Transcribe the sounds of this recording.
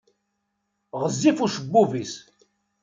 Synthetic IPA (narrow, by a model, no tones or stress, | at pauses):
ʁəzːifuʃəbːuvis